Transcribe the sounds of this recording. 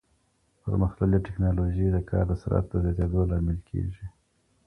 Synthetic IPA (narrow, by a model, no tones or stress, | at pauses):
pə̰ɾməxlaliʈɪknɑloʒid̪əkʰɑ̰ɾd̪əsa̰ɾa̰t̪d̪əzjɑt̪ed̪olɑmɪlkʰḛʒi